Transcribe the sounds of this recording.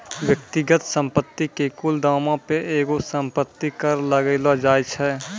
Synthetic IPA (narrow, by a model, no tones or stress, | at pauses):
wjək̚t̪ɪɡət̪sə̃mpət̪ːikekʊld̪aːmãpeʔeːɡosə̃mpət̪ːikəɾləɡəlad͡ʒaːjt͡ʃʰɛː